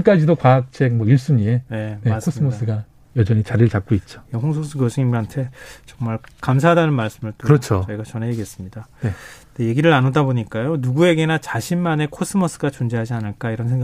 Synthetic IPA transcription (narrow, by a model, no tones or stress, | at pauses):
mk͈ad͡ʑidokwaak̚t͡ɕʰekmʌjuɭs͈ɯmiene̞ne̞kʰos͈ɯmʌs͈ɯɡa | jʌd͡ʑʌɲit͡ɕaɾiɾɯɭt͡ɕak̚k͈oit̚t͡ɕ͈o̥ehoŋsʰos͈ʰɯkɯʌsʰɯɲimɦantʰe̞t͡ɕʌŋmaɭkamsʰaɦadanɯnmaɭs͈ɯmɯɭt͈oɯɾʌt͡ɕʰot͡ɕʌiɡat͡ɕʌnɦe̞iɡe̞s͈ɯmɲidane | deje̞ɡiɾɯɭanodaboɲik͈ajonuɡue̞ɡe̞nat͡ɕaɕʰimːane̞kʰos͈ɯmʌs͈ɯɡat͡ɕond͡ʑeɦad͡ʑianɯɭk͈aiɾʌnsʰeŋɡ